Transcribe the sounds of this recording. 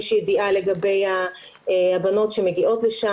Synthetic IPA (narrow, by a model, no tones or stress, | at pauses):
ʃijed̪iʔale̞ɡabe̞jha | habano̞tʃe̞meɡiʔo̞t̪leʃa